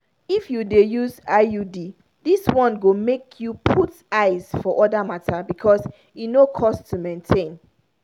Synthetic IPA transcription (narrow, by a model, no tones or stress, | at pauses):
ifjudejuzajudi | diswɔ̃nɡomekʰjupʰut | aɪz̥fɔʔɔdamatʰabikʰɔs | inokʰɔstumẽntʰẽn